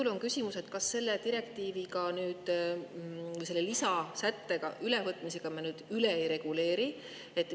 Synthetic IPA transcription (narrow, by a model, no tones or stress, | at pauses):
ulo̞ŋkysʲimuse̞t̪kɑsːe̞lːet̪iɾe̞kt̪iːviɡɑnyːd̪̥ | vɯjse̞lːelisɑsæt̪ːe̞ɡ̥ɑ̰ʔylevɤt̪ːˑmise̞ɡ̥ɑmɑnyːd̪̥yleejɾe̞ɡ̥ule̞ːɾi | e̞t̪ːˑ